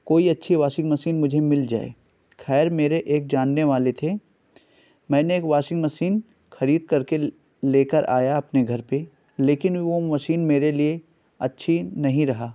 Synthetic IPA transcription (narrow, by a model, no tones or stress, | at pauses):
koːiɐtːʃʰiʋaːʃɪ̃ŋɡmɐsiːnmʊd͡ʒʱemɪld͡ʒa̰ːḛ | xɛːɾmeːɾeʔeːk̚d͡ʒaːnːeʋaːlet̪ʰe | mɛ̃ːneːkʋaːʃɪ̃ŋɡmɐsiːn | xɐɾiːd̪̚kɐɾke | leːkəɾʔa̰ːjaɐpneɡʱɐɾpe | leːkɪnʋomɐʃiːnmeːɾelie | ɐtːʃʰinɐɦĩɾɐɦaː